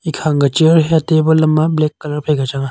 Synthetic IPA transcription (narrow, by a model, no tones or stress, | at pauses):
ikʰaŋɡɐt͡ʃiəɾɦeɐtebɐlɐmːɐblekːɐlɐɾpʰɐjɡat͡ʃaŋa